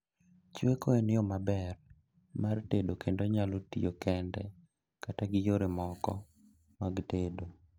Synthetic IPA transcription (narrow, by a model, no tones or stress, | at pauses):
t͡ʃekoenɪɔmabɛr | martedokʰendoɲalotiokɛndɛ̰ | kataɡɪjoɾemɔkɔ̰ | maɡtedo